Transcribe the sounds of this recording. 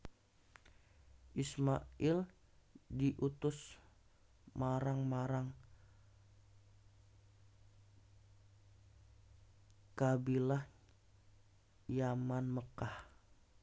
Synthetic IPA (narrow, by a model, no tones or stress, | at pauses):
ʔismaɪl | diʔut̪ʊs | maɾaŋmaɾaŋ | kabilah | jamanməkah